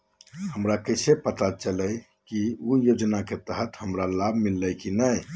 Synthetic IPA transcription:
həmɾakəɪsepət̪at͡ʃələj | kiujod͡ʒnaket̪əɦət̪həmɾalabʱmilːəjkinəj

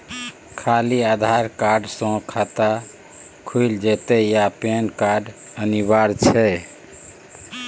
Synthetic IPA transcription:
kʰaliad̪ʱaɾkaɾɖsə̃kʰat̪a | kʰujld͡ʒet̪ɛjapenkaɾɖəniβaɾt͡ʃʰɛ

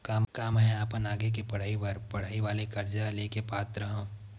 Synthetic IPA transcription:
kaːmkaːmɦɛ̃aːpənaːɡek̬epɐɽ̤aːiʋɐɾpɐɽ̤aːiʋaːlekɐɾd͡ʒaleːkepaːt̪ɾəɦõː

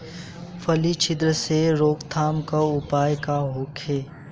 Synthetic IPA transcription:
fʰəlit͡ʃʰɪd̪ɾəseɾoːkt̪ʰaːmkaʊpaːjkaɦoːkʰeː

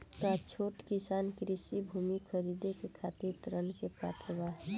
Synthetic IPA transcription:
kat͡ʃʰoːʈkisaːnkɾɪsibʱuːmikʰəɾid̪ekekʰat̪iɾt̪ɾənkepɾa̰t̪ɾəbaɦɛ

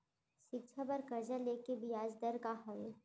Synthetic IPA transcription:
ʃɪkt͡ʃʰabɐɾkɐɾd͡ʒaleːkebɪjaːd͡ʒd̪əɾkaɦɐʋeː

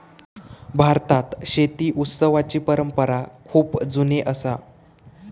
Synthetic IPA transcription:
bʱaɾt̪at̪ɕet̪iːʔut̪səʋat͡ɕiːpəɾəmpəɾakʰuːpd͡zuneʔəsa

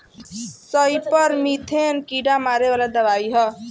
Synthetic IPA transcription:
sʌjpʌɾmit̪ʰenkiɖamaɾebalad̪ʌβaiɦʌ

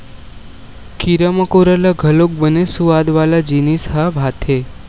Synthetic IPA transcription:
kiɾəməkoɾəlaɡʱəlok̚bənesuad̪ʋalad͡ʒinisɦabʱat̪ʰe

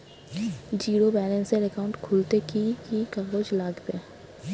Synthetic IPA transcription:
d͡ʒiːɾobɛːlə̃nseɾɛkaʊ̃ɳʈkʰʊlt̪ekikikaːɡoːd͡ʒlaːɡd̪eː

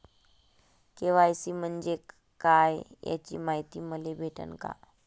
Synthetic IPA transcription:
keʋaəsiːm̤ənd͡ʑek | kajja̰t͡ɕiːmaɦit̪iːməlebʱeʈə̰nka̰

